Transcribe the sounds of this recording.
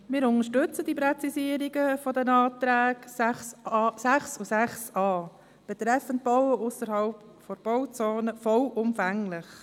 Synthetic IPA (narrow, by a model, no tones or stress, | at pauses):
mɪːɾʊnəʃtʏt͡sədipɾɛt͡sisiəɾiɡəfɔdɛnɑːt̪ɾæːɡ | sæχsusæχsɑː | b̥ɛt̪ɾɛfənt̚b̥ɔwəʔʊsəɾhɑlp | fɔɾb̥ɔʊt͡soːnəfɔlʔʊmfæŋlɪχ